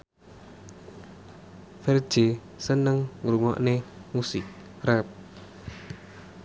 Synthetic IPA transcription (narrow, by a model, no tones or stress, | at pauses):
fɛr̥d͡ʒ̥e | sənəŋɾuŋɔ̰ʔnemusɪk̚ | rɛp̚